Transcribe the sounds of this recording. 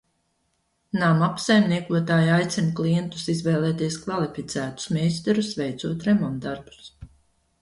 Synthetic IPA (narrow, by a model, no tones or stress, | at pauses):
naːmapsajmniɛkuɔt̪aːjajt̪sinukliɛnt̪u̥sizvɛːlˠɛːt̪iɛskvalˠifit̪zæːt̪u̥smʲɛjst̪ɛɾusvɛjt̪suɔt̪ɾɛmamd̪aɾbu̥s